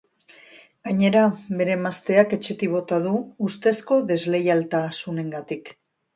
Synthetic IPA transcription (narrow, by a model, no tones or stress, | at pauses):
ɡ̥aɲe̞ɾaβe̞ɾe̞mast̪e̞ake̞t͡ʃe̞t̪iβo̞t̪aðuːst̪e̞sko̞ðe̞zle̞jalt̪asune̞ŋɡat̪ik